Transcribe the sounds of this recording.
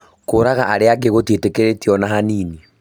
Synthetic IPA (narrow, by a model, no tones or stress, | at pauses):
koːɾaɣaʔaɾeaɡeɣotwetekeɾetiɔnaɦaniːni